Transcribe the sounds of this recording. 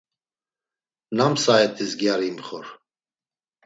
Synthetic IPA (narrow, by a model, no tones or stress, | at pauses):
namsaɛt̪ʰʼizɡjaɾiːmχɔ̰ɾ